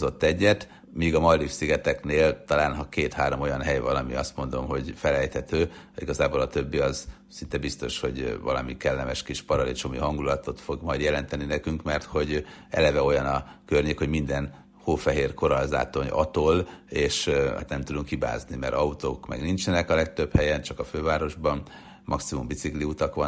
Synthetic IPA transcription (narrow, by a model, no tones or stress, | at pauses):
zo̞t̪ːɛɟːɛt̪ | miːɡɒmɒlːifsiɡɛt̪ɛkneːlt̪ɒlaːnɦɒkeːt̪haːɾo̞mo̞jɒnɦɛjvɒlɒmḭɒst̪mo̞nd̪o̞mɦo̞ɟfɛlɛjt̪hɛt̪øːiɡɒzaːbolɒt̪øbːiɒz | sint̪ɛbist̪o̞ʃho̞̰ɟvɒ̰lɒmikɛlːɛmɛʃkiʃpɒɾɒlit͡ʃomiɦɒŋɡulɒt̪o̞t̪fo̞ɡmɒjd̪jɛlɛnt̪ɛninɛkyŋkmɛrt̪ho̞ɟɛ̰lɛvɛo̞jɒnɒkørɲeːkho̞ɟmind̪ɛn | hoːfɛɦeːrkoɾɒlza̰ːt̪o̞ɲɒ̰t̪oleːʃa̰t̪nɛmt̪ud̪uŋkhiba̰ːznimɛɾɒut̪oːkmɛ̰ɡnint͡ʃɛnɛkɒlɛk̚t̪øphɛjɛnt͡ʃɒkɒføːvaːɾo̞ʒbɒn | mʔɒksimumbit̪sikliut̪ɒkʋɒ